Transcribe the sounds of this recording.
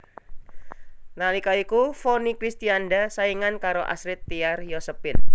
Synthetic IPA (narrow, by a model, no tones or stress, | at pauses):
nalikaikufonikɾist̪iandasaiŋankaɾoʔa̰sɾɪt̪ːiarjɔsəpɪn